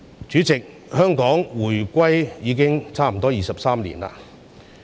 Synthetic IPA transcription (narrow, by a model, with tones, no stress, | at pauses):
t͡ʃyː˨˥t͡sɪ˨k̚ | hœː˥ŋkɔː˨˥ŋwuː˨˩jkʷɐ˥jjiː˨˧k̬ɪ˥ŋt͡sʰaː˥m̩˨˩t̪ɔː˥jiː˨˧sɐ˨p̚saː˥mlḭː˨˩nla̰ː˧